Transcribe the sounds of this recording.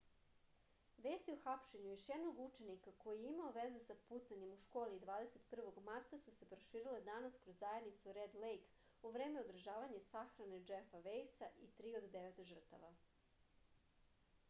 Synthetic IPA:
ʋe̞ːst̪ioxapʃe̞ɲujoʃjɛd̪no̞ɡut͡ʃe̞nikako̞jieimaoʋezesaput̪saɲe̞muʃko̞ːlid̪ʋaːd̪ese̞t̪pr̩ʋo̞ɡmaɾt̪asuse̞pɾo̞ʃiːɾiled̪anaskɾozːajed̪nit̪suɾed̪lejk | uʋɾe̞ːmeo̞d̪r̩ʒaːʋaɲasaxɾane̞d͡ʒefaʋejsaʔit̪ɾiːod̪ːeʋet̪ʒər̩t̪a̰ʋa̰

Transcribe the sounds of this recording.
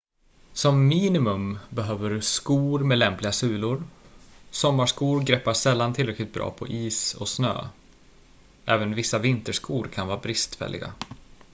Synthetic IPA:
sɔmːiːnɪmɵmbɛɦøːvəɾskuːɾmɛlɛmplɪɡasʉ̟ːlʊɾ | sɔmːaʂkuːɾɡɾɛːpːaʂɛlːant̪ʰɪlɾɛklɪɡ̚t̪̚bɾɑ̰ːpʰɔ̰ʔiːsɔsnø̰ː | ʔɛːvənvɪsːavɪnt̪əʂkuːɾkʰanvɑːɾbɾɪst̪fɛ̰lːɪ̰ɡa̰

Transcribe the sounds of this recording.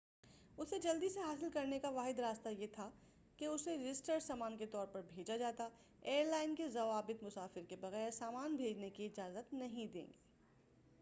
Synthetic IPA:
ʊsed͡ʒɐld̪iseɦaːsɪlkɐɾnekaʋaːɦɪd̪ɾaːst̪ajet̪ʰa | keʊseɾɪd͡ʒɪsʈəɾsaːmaːnket̪ɔːɾpɐɾbʱeːd͡ʒad͡ʒaːt̪a | eːɾlaːɪnkezɐʋaːbɪt̪mʊsaːfɪɾkebɐɣɛːɾsaːmaːnbʱeːd͡ʒnekiɪd͡ʒaːzət̪nɐɦĩd̪ḛ̃ːŋɡeː

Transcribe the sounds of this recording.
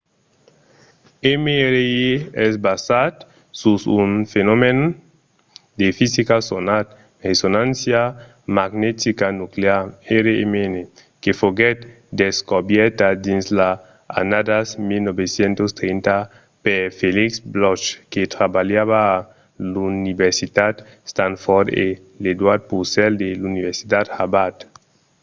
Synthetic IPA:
emeɾeeɛsbasat̪ | susunfenomen | d̪efisikasonat̪̚ | resonãnsja | maɡnet̪ikanukleaɾeɾeemenekefoɡet̪ | d̪eskobjɛɾt̪ad̪insla | a̰nad̪asmilnobesjent̪ost̪ɾent̪a | pefeliksblɔʃket̪ɾabaljaβaː | lunibeɾsit̪at̪ | st̪anfɔɾd̪e | led̪waɾd̪̚pusɛld̪eluniβeɾsi̥t̪at̪habat̪

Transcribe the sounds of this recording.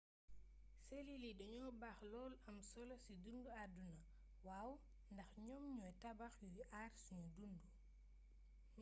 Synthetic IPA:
seliliɗɔɲɔbaːxlɔːlɐmsɔlɐsidunduadunɐ | waːw | ndɐxɲɔmɲuɛtabaxjujiʔaːɾsuɲudundu

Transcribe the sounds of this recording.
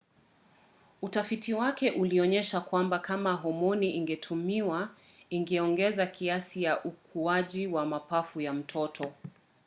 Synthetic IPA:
utafitiwakɛʔuliɔɲɛʃakwambakamaɦɔmɔniʔiŋɡɛtʰumiwa | iŋɡɛɔŋɡɛzakʰiasijaʔukʰuaʄiwamapafujam̩tʰɔtʰɔ

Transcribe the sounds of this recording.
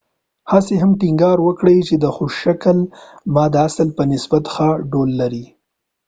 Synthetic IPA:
hɑseɦamʈɪŋɡɑɾwəkɽəjt͡ʃed̪əxoʃʃakəlmɑd̪əasəlpənɪsbat̪xɑɖolːaɾi

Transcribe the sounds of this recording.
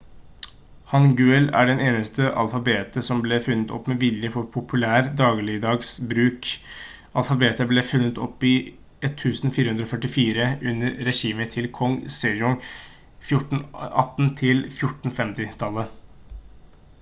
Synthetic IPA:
hɑnɡʉːɛlæ̰ɖɛneːnəst̪ʰəʔɑ̰lfɑbeːt̪əsɔmblɛfʉnːət̪ʰɔ̰pːmɛʋɪljəfɔɾpʰʊpʰʉlæːɾd̪ɑːɡlɪd̪ɑːɡsbɾʉːk | ɑlfɑbeːt̪ʰəblɛfʉnːət̪ʰɔ̰pːɪ | ʔɛt̪ʰːʉːsn̩fiːɾəʉnɾɔfœʈɪfiːɾəʉnːəɾːɛɕiːmət̪ʰɪlkʰɔŋsɛjɔŋ | fjʊʈn̩ʔɑ̰t̪ːn̩t̪ʰɪlfjʊʈɳ̩fɛmt̪ɪt̪ʰɑlːə

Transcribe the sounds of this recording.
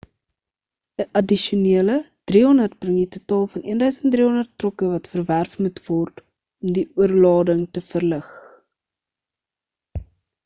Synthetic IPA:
əʔɐdiʃuniələd̥riɦɔndərt̚b̥rəŋditutɑːlˠfɐniəndœɥsəntdriɦɔndərtːrɔkəvɐtfərværfmutv̥ɔrt | ɔmdiʔuərlɑːdəŋtəfərləχ

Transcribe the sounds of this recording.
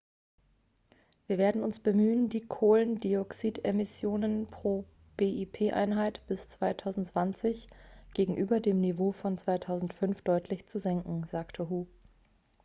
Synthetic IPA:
viːɐveːɐdn̩ʊnsb̥əmyːəndiːkʰoːləndiɔksiːtemɪsjoːnənpʁ̥oː | b̥eːʔipʰeːʔa̰ɪnɦaɪtb̥ɪst͡sv̥aɪtʰaʊzn̩tt͡sv̥ant͡sɪçɡ̥eːɡŋ̩ʔyːbɐdeːmnivoːfɔnt͡sv̥aɪtʰaʊzn̩tfʏnfd̥ɔʏtʰlɪçt͡suzɛŋkŋ̩zaːktʰəɦuː

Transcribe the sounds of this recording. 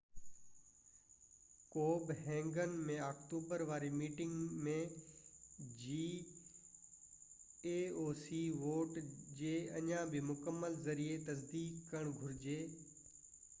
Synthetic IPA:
koːbɦɛ̃ːŋɡənmẽaːkʈuːbəɾʋaːɾimiːʈɪ̃ŋɡmẽ | d͡ʑiː | eːoːsiʋoːʈd͡ʑeːɐɲãbɪmʊkəmːəlzɐɾiet̪ɐs̬d̪iːkkɐɽ̃ɡʱʊɾɪd͡ʑeː

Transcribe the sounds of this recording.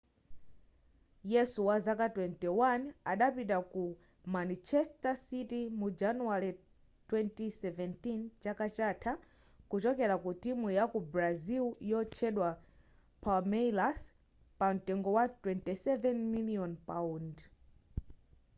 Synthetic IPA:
jɛsuwazakatwɛntiwanaɗapitaku | manit͡ʃɛstasitimud͡ʒanuaɾi | twɛntisɛvɛntint͡ʃakat͡ʃatʰa | kut͡ʃɔkɛɾakutimujakubɾaziljɔt͡ʃʰɛɗwa | pʰalmɛlas | pam̩tɛŋɡɔwatwɛntisɛvɛnmiliɔnpaund

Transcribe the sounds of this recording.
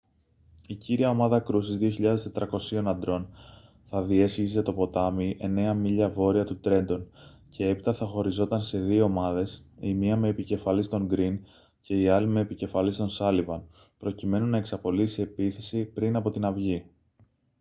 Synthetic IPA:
iciɾiɐo̞mɐðɐkɾusizðio̞çiʎɐðe̞st̪e̞t̪ɾɐko̞sio̞nɐnd̪ɾo̞n | θɐðie̞sçiset̪o̞po̞t̪ɐmiʔe̞ne̞ɐmiʎɐvo̞ɾiɐt̪ut̪ɾe̞nd̪o̞n | cʰe̞e̞pit̪ɐθɐxo̞ɾizo̞t̪ɐnse̞ðio̞ːmɐðe̞simiɐme̞ːpice̞fɐlist̪o̞ŋɡɾin | ce̞iɐlime̞ːpice̞fɐlist̪o̞nsɐlivɐn | pɾo̞cime̞nunːɐe̞ksɐpo̞lisie̞piθe̞sipɾinɐpo̞t̪inɐvʝi

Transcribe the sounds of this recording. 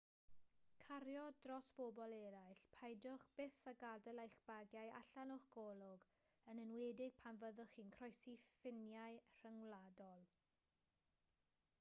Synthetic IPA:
kʰaɾjɔdrɔsb̥obɔlˠɛɾajɬpʰajdʊχb̥ɪθaɡadɛlˠajχb̥aɡjaja̰ɬanʊχɡ̥ɔlˠʊɡ | ənənwɛːdɪɡ̥̚pʰanvəðʊχiːnkʰrɔjsifɪnjajr̥əŋwlˠadɔlˠ

